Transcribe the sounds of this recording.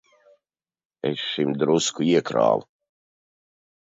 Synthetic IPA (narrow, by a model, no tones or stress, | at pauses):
ɛ̰ʃʃimd̪ɾuskuiɛkɾa̰ːl